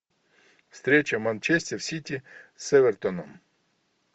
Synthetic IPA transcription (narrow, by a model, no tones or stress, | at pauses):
wst̪ɾʲɛt͡ʃɐmɐnt͡ʃɛsʲtʲɛwsʲitʲisɛʋert̪ɔnɔm